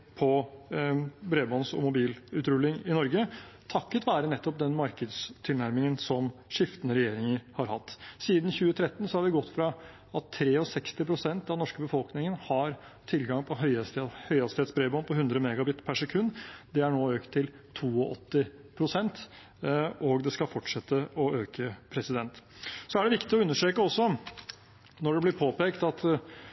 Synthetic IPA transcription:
pʰɔ | bɾeːbɔnsɔ̰mʊbiːlʉːt̪ɾʉlːɪŋɪnɔɾɡət̪ʰɑkːət̪ʋæːɾənɛt̪ːɔp̚d̪ɛnmɑɾkəd̪st̪ʰɪlnæɾmɪŋənsɔmʂɪft̪ənəɾɛjeːɾɪŋəɾhɑɾhɑt̪ːsiːd̪n̩çʉːət̪ʰɾɛt̪ːən̩sɔhɑɾʋɪɡɔt̪ːfɾɑ | ɑt̪ʰːɾeːɔsɛkst̪ɪpʰɾʊsɛnt̪ɑʋnɔʂkəbəfɔlknɪŋənhɑɾ | t̪ʰɪlɡɑŋpʰɔɦœʏhœʏɑst̪eːd̪sbɾeːbɔnpʰɔhʉnd̪ɾəmɛːɡɑbɪt̪pʰæʂɛkʰʉnːd̪ɛæɳoːøːkt̪ʰːɪlt̪ʰuːɔʔɔt̪ːɪpʰɾʊsɛnt̪ | ʔɔɡd̪ɛskɑfɔʈʂɛt̪ːəɔøːkəpʰɾɛsɪd̪ɛnt̪sɔæɖɛʋɪkt̪ɪɔʉnːəʂʈɾeːkəɔsːɔ | nɔɖɛblɪɾpʰoːpeːkt̪ɑt̪

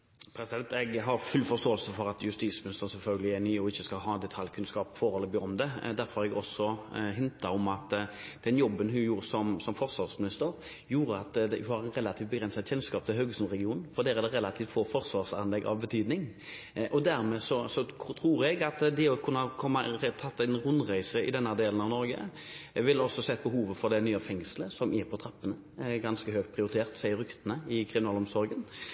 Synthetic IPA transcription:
pʰɾɛsɪd̪ɛnt̪ɛɡɦɑɾfʉlːfɔst̪oːəlsəfɔɾɑt̪jʉst̪iːsmɪnɪst̪əɾən̩sɛlfœlɡəlɪɛnyːɔɪçːəskɑlɦɑːnd̪ɛt̪ʰɑljkʰʉnskɑːpfɔɾɛlːəbɪɔmd̪ɛd̪æɾfɔɾhɑɾɛɡɔsɔɦɪnt̪ɑɔmɑt̪d̪̥ɛnjɔbːənɦʉnjuːɾəsɔmsɔmfɔɾsʋɑʁsmɪnɪst̪əɾ | juːɾəɑt̪d̪ɛhɑɾɛnɾɛlːɑt̪ʰift̪̚bəɡɾɛnsɑt̪çɛlskɑːp̚t̪ʰɪlɦøɡəsnʁɛɡɪuːnn̩fɔd̪ɛːæɾd̪ɛɾɛlɑt̪ʰiːft̪foːfɔɾsʋɑːʁsɑnlɛɡːɑ̰ʋbət̪ʰyːd̪nɪŋ | ʔɔd̪æɾmɛːsɔsɔt̪ʰɾuːɾɛɡɑt̪d̪ɛɔkʰʉnːəhɑkʰɔmːɑt̪ʰɑt̪ːæɪnʁʊnːʁæɪsəɪ̰d̪ɛnːəd̪eːlnɑʋnɔɾɡə̰ | ʋɪlɔsɔsɛt̪̚ːbəɦuːʋəfɔɾd̪ɛnyːəfɛŋsləsɔmʔɪɾpʰɔt̪ʰʁɑpːənə | ɡɑnskəɦøːk̚t̪pʰʁɪʊɾɪt̪ʰeːʁt̪sæɪəɾʏkt̪ənəɪkʰɾɪmɪnɑːlɔmsɔɾɡən

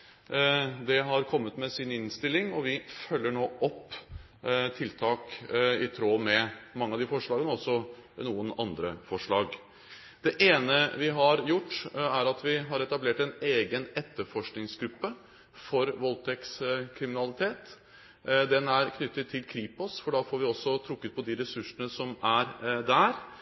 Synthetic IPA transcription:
d̪ɛɦɑɾkʰɔmːət̪mɛsɪnɪnst̪ɪlːɪŋɔʋɪfœlːəɳoːʔɔpː | t̪ʰɪlt̪ʰɑːkɪt̪ʰɾoːmɛmɑŋːəɑd̪ɪfɔʂɭɑːɡənəɔsːɔnuːənɑnd̪ɾə̰fɔʂɭɑːɡ | d̪̥ɛʔeːnəʋɪɦɑɾjʊʈːæɾɑt̪ʋɪɦɑɾɛt̪ɑbleːʈɛneːɡənɛt̪ːəɾfɔʂknɪŋsɡɾʉpːə | fɔɾʋɔlt̪ʰɛkskʰɾɪmɪnɑlɪt̪ʰeːt̪ | d̪ɛnæɾkʰnʏt̪ːət̪ʰːɪlkʰɾiːpɔsfɔɖɑːfoːɾʋɪɔsːɔt̪ʰɾʊkːət̪̚pʰɔd̪ɪɾɛsʉʂənəsɔmæɾd̪æɾ

